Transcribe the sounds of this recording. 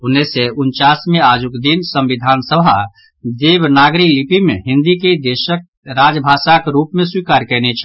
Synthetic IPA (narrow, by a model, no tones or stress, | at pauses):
ʊnːeseʊnt͡ʃaːsmẽaːd͡ʒʊkd̪insə̃mʋɪd̪ʱaːnsəbʱa̰ | d̪eːʋnaːɡɾiklɪpimḛ̃ɦɪ̃nd̪iked̪eːʃək̚ | ɾaːd͡ʒbʱaːʃakeɾuːpmẽswiːkaːɾkɛːnet͡ʃʰ